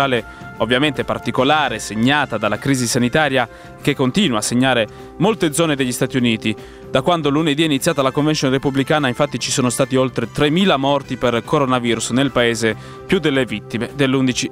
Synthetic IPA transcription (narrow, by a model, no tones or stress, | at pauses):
aːle | ovːjament̪epa̰rt̪ikolaːɾeseɲːaːt̪ad̪alːakɾiːzisanit̪aːɾja | k̟ekːont̪iːnwaːsːeɲːaːɾe | molt̪ed̪zɔːned̪eʎːist̪aːt̪iuniːt̪i | d̪̥akːwand̪oluned̪iɛinit̪sːjaːt̪alakoɱvent͡ʃ̪jonrepublikaːnaiɱfat̪ːit͡ʃisoːnost̪aːt̪iolt̪ɾet̪ɾemːiːlamɔrt̪iperkʰoɾonaviːɾusnelpaeːze | pjud̪ːelːevit̪ːimed̪elːund̪it͡ʃi